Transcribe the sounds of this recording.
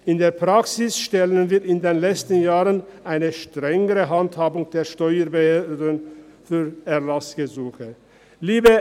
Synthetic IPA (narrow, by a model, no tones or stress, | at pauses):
ʔɪndeːɐpʁ̥aksɪsʃtɛlənviːɪndeːnlɛt͡stənjaːʁənʔaɪnəʃtʁ̥ɛŋəʁəɦanthaːbʊŋd̥eːɐʃtɔʏəbəhøːdənfyːʁɛɐlasɡ̥əzuːxə | liːbə